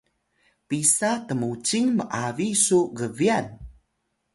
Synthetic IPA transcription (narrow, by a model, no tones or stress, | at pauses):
pisatəmut͡ɕiŋməʔavisuɡəvian